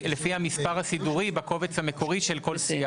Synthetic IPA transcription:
lefihamispaʁhasiduʁibako̞vet͡shame̞ko̞ʁiʃe̞lko̞lsia

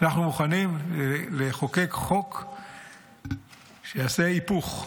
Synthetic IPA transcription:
naχnumuχanimleχo̞kekχo̞k | ʃejaseipuχ

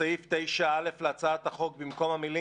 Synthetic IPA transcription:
ajift̪e̞jʃaale̞flat͡saːt̪aχo̞k̚bimko̞mamili

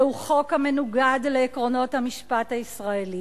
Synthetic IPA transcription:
uχo̞khamenuɡadleːkʁo̞no̞thamiʃpathaisʁaeli

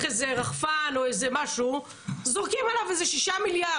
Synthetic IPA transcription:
χezeʁaχfano̞ezemaʃu | zoʁkimalavezeʃiʃamilja

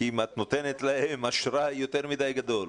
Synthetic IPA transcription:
imat̪no̞t̪enet̪laemaʃɾajo̞t̪eʁmidajɡad̪o̞l

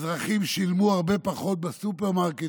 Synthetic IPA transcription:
zʁaχimʃilmuaʁbe̞paχo̞t̪̚besupeʁmaʁke

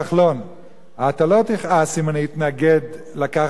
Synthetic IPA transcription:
aχlo̞n | at̪alot̪iχasimaniit̪naɡed̪ | laka

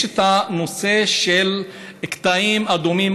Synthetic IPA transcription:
et̪ano̞seʃel | kt̪aimad̪omim

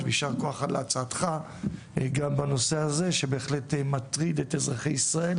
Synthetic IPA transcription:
veiʃaʁko̞aχalat͡saːt̪χa | ɡambano̞se̞aze̞ʃe̞beːχle̞tmat̪ʁid̪etezʁaχejisʁae̞l

